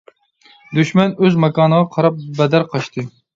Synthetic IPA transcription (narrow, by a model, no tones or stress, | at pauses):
d̪yʃmɛnøzmɛkɑːnəʁɑqʰɑɾɑp̚bɛd̪æɾqʰɑʃt̪ʰɨ